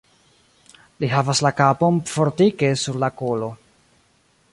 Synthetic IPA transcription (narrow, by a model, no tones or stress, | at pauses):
liɦavaslakapo̞nfo̞ɾtike̞suɾlakolo̞